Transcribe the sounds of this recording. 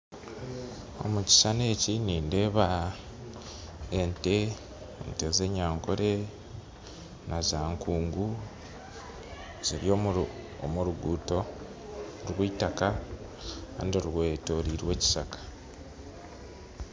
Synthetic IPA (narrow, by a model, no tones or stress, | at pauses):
o̞̰muci̥sane̞ːciniːnde̞ːβa | ente̞ | nte̞ze̞ɲaːŋkoɾe̞ | nazaːŋkʰuːŋɡu | z̥iɾjo | omuɾuɡuːto̞ | ɾwiːtaka | a̰ndiɾweːto̞ɾiɾwe̞ːci̥sakḁ